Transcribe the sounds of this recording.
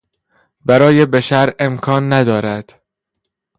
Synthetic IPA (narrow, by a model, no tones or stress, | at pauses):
bæɾɒːje̞beʃæɾe̞mkʰɒːnːæd̪ɒːɾæd̪̥